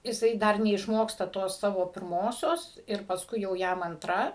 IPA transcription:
jɪˈsɐɪ ˈdɐr nʲɛɪʃˈmoːkstɐ ˈtoːs ˈsɑːʋoː pʲɪrˈmoːsʲoːs ɪr pɐsˈkʊɪ jɛʊ ˈjɛm ɐnˈtrɐ

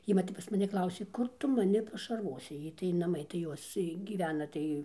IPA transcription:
ˈjiː ʋɐ ˈtʲɛp pɐs mɐˈnʲɪ ˈklˠɐʊsʲeː ˈkʊr ˈtʊ mɐˈnʲɪ pɐʃɐrˈʋoːsʲɪ ˈjɛɪ tɐɪ nɐˈmɐɪ tɐɪ ˈjoːs tɐɪ ɡʲiːˈʋʲæːnɐ ˈtɐɪ

